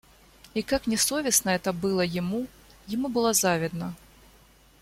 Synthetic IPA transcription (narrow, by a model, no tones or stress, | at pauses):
ikaknʲɛsɔvʲisnɐɛt̪ɐbɨlˠɐjimu | jɪmubɨlˠazavʲid̪nɐ